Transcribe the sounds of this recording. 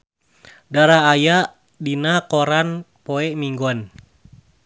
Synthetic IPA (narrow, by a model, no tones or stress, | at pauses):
daɾaːjaʔ | dinakɔɾan | pɔɛmiŋɡɔn